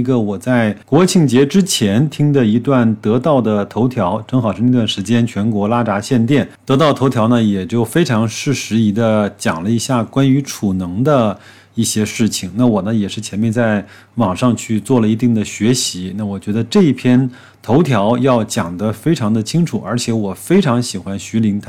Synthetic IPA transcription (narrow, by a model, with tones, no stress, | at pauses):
ɡə˧wɔ˨˩t͡sa˥˩ɪkwɔ˧˥t͡ɕʰi˥˩ŋt͡ɕjɛ˧˥ʈ͡ʂɻ̩˥t͡ɕʰjɛ˧˥nt̪ʰi˥ŋd̪ə˨i˧˥t̪wa˥˩nt̪ɤ˧˥t̪ɑ˥˩ʊd̪ə˩t̪ʰo˧˥ʊt̪ʰjɑ˧˥ʊʈ͡ʂɤ˥ŋxɑ˨˩ʊʂɻ̩˥˧ni˥˧t̪wa˥˩nʂɻ̩˧˥t͡ɕjɛ˥nt͡ɕʰɥɛ˧˥nkwɔ˧˥la˥ʈ͡ʂa˧˥ɕjɛ˥˧nt̪jɛ˥˩nt̪ɤ˧˥t̪̬ɑ˥˩ʊt̪ʰo˧˥ʊt̪ʰjɑ˧˥ʊnə˧jɛ˨˩t͡ɕjo˥˩ʊfe˥ɪʈ͡ʂʰɑ˧˥ŋʂɻ̩˥˩ʂɻ̩˧˥i˧˥d̪ə˧t͡ɕjɑ˨˩ŋlə˦i˧˥ɕja˥˩kwa˥ny˧˥ʈ͡ʂʰu˨˩nɤ˧˥ŋd̪ə˧ | i˥˩ɕjɛ˥ʂɻ̩˥˩t͡ɕʰi˩ŋna˥˩wɔ˨˩nə˦jɛ˨˩ʂɻ̩˥˩t͡ɕʰjɛ˧˥nmjɛ˥˧nt͡sa˥˩ɪ | wɑ˨˩ŋʂɑ˥˧ŋt͡ɕʰy˥˧t͡swɔ˥˩lə˩i˧˥t̪i˥˩ŋd̪ə˩ɕɥɛ˧˥ɕi˧˥na˥˩wɔ˨˩t͡ɕɥɛ˧˥d̪ə˧ʈ͡ʂɤ˥˧i˥˩pʰjɛ˥n | t̪ʰo˧˥ʊt̪ʰjɑ˧˥ʊjɑ˥˩ʊt͡ɕjɑ˨˩ŋd̪ə˦fe˥ɪʈ͡ʂʰɑ˧˥ŋd̪ə˧t͡ɕʰi˥ŋʈ͡ʂʰu˨˩ə̰˞˧˥t͡ɕʰjɛ˧˥wɔ˨˩fe˥ɪʈ͡ʂʰɑ˧˥ŋɕi˨˩xwa˥nɕy˧˥li˧˥ŋt̪ʰa˥